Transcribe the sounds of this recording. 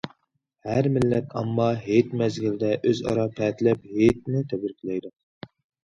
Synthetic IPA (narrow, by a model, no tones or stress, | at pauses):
hæɾmɪlːɛt̪ʰɑ̰mːɑɦet̪mɛzɡʲɪlɪd̪ɛʔøzɑ̰ɾɑpʰɛt̪ʰlɛpɦet̪̚nɪt̪ʰɛbɪɾkʲʰilɛjd̪u